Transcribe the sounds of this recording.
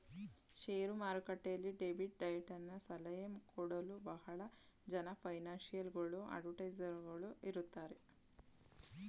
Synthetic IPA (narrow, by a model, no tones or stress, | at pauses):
ʃeːɾumaːɾukɐʈːejɐlːiɖeːbʱiʈ̚ɖɐjɐʈɐnːɐsɐlɐjɐmkʰɔɽɐlubɐɦɐɭɐ | d͡ʒɐnɐpʰɐjnaːnʃijɐlɡɐɭuʔɐ̰ɖʋɐʈɐjd͡ʒɐɾɡɐɭuiɾut̪ːaːɾe